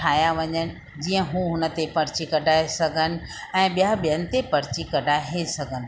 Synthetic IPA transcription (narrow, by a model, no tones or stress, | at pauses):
aːjaʋɐɲənɪ̆ | d͡ʑiːə̃ɦũɦʊnə̆t̪epɐɾt͡ɕikɐɖʱaːesɐɡʱənɪ̆ | ɛ̃ːɓijaɓijənɪ̆t̪epɐɾɪt͡ɕikɐɖʱaːɦesɐɡʱənɪ̆